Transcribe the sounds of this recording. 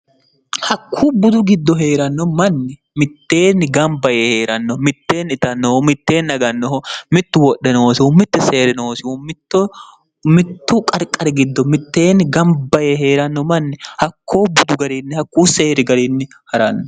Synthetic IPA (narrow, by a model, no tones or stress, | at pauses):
hɐkʰːuːbʊd̪ʊɡɪd̪ːɔɦe̞ːɾɐnːɔmɐnːɛ | mɪt̪ːe̞ːnːɪɡɐmbɐjeːheːɾɐnːɔmɪt̪ːe̞ːnɪt̪ɐnːɔhɔmɪt̪ːe̞ːnɐɡɐnːɔɦɔmɪt̪ːʊwɔɗːɛnoːsɪʊmɪt̪ːɪse̞ːɾɪnoːsɪumɪt̪ːɔ | mɪt̪ːʊkʼɐɾkʼːɐɾɪɡɪd̪ːɔmɪt̪ːe̞ːnɪɡɐmbɐjeːɦe̞ːɾɐnːɔmɐnːɛhɐkːoːbʊd̪ʊɡɐɾiːnːɛhɐkːuːse̞ːɾɪɡɐɾinːɛ | hɐɾɐnːɔ